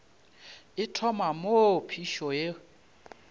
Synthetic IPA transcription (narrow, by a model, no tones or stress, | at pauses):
ɪtʰɔmamopʰiʃɔje